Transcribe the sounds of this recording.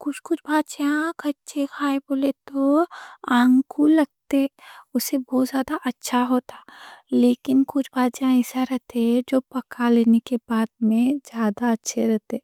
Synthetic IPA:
kʊt͡ʃʰkʊt͡ʃʰbaːt̪t͡ʃjãkʰɐt͡ʃekʰaːeboːlet̪oãːŋkulɐɡ̚t̪eɦɛʊsːebɔːt̪zjaːd̪aʔɐtːʃʰaɦoːt̪aleːkɪnkʊt͡ʃʰbaːt̪t͡ʃjãɛsaɾɛɦt̪eɦɛd͡ʒoːpɐkaleːnekebaːd̪mẽd͡ʒjaːd̪aɐtːʃʰeɾɛɦt̪eɛ

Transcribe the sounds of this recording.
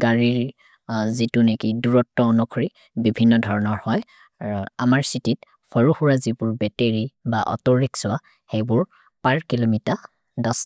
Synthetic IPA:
ɡaɹiɹ | zitunekiduɹɔtːɔɔnɔkʰɔɹi | bibʱinːɔdʱɔɹɔnɔɹhɔj | amaɹsitit | fʰɔɹuxuɹazibʊɹbɛteɹibaʔɔ̰tɔɹiksʊwa | xejbʊɹ | paɹkilomita | dɔs

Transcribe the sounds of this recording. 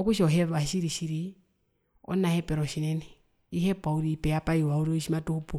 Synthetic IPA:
ɔkuʃɔɦɛβaʃiɾiʃiɾi | ɔ̰nahɛpʼɛɾɔʃinɛnɛ | iɦɛpauɾipɛjapaiwauɾɔiʃimatuhupu

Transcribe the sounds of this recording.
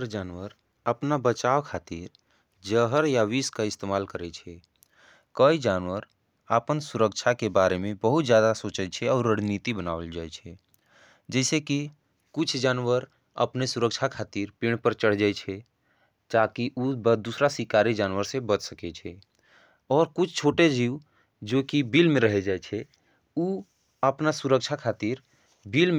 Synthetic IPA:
ɾd͡ʒaːnwəɾ | əpnabət͡ʃaːwkʰaːt̪iɾ | d͡ʒəɦəɾjaʋiːskaɪst̪eːmaːlkəɾet͡ʃʰɛ | kəid͡ʒaːnwəɾ | apənsʊɾəkt͡ʃʰakebaːɾemẽbəɦʊt̪zjaːd̪asoːt͡ʃət͡ʃʰɛɔːɾːəɽ̤niːt̪ibənaːʋəld͡ʒaːet͡ʃʰe | d͡ʒɛːseki | kʊt͡ʃʰd͡ʒaːnwəɾ | ə̰pnesʊɾəkʃʰakʰaːt̪iːɾpiɽ̃pəɾt͡ʃəɽ̤d͡ʒaːet͡ʃʰe | t̪aːkiʔubəd̪uːsɾasikaːɾid͡ʒaːnwəɾsebət̪səket͡ʃʰɛ | ɔːɾkʊt͡ʃʰt͡ʃʰoːʈed͡ʒiːw | d͡ʒoːkibiːlmẽɾəɦed͡ʒaːet͡ʃʰe | u | əpnasʊɾəkʃʰakʰaːt̪iːɾ | biːlm

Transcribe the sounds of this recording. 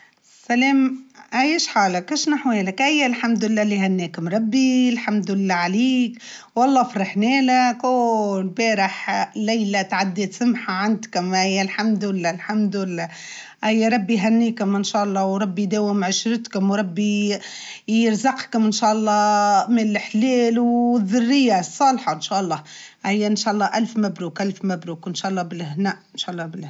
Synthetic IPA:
sælɛːmʔæjæʃħaːlakæʃnaħweːlækʔæjːælħamd̪ɪlːæːliɦænːɛːkʊmɾˤɑbːilħamd̪ɪlːæʕaliːkwɑlˤːɑːfɾˤɑħnɛːlækʊlbɛːɾɪħlæjlat̪ʕad̪ːit̪sʊmħaʕand̪kmɪjːælħamd̪ɪlːæːlħamd̪ɪlːæ | ʔæjːæɾˤɑbːiɦænːiːkʊmɪnʃæːʔɑlˤːɑːwɾˤɑbːid̪æːwɪmʕʊʃɾɪt̪kʊmwɾˤɑbːi | jɪɾzɑqkʊmɪnʃæːʔɑlˤːɑːmɪlħleːlwðːʊrːɪjːasˤːɑːlħɑnʃæːʔɑlˤːɑːʔæjːænʃæːʔlˤːɑːʔælfmæbɾuːkʔælfmæbɾuːkɪnʃæːʔɑlˤːɑbɪlʔɪhnæːʔɪnʃæʔɑlˤːɑbɪl

